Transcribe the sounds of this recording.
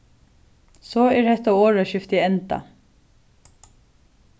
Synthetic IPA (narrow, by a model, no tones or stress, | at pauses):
sɔːɛɹhɛht̪ːaoːɹaʃɪft̪iɛnt̪a̰